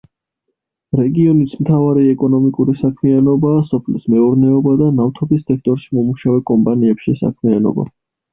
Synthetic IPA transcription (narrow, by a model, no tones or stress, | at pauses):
ɾɛɡiɔnismt̪ʰavaɾiɛkʼɔnɔmikʼuɾisakʰmianɔbaːsɔpʰlismɛuɾnɛɔbad̪anaft̪ʰɔbisːɛk̚ʰt̪ʼɔɾʃimɔmuʃavɛkʼɔmpʼaniɛpʃisa̰kʰmianɔ̰ba̰